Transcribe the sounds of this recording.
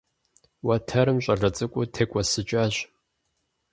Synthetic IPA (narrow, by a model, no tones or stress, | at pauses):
wɐtʰɐɾɨmɕʷʼɐɮɐt͡sʼɨkʷʼʊtʰekʷʼɐsɨt͡ʃʼaɕ